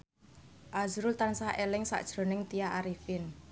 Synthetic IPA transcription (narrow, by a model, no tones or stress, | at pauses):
ʔazɾʊlt̪ansaʔelɪŋsa̰ʔd̥ʒ̥ɾo̤nɪŋt̪ijaʔaɾifɪn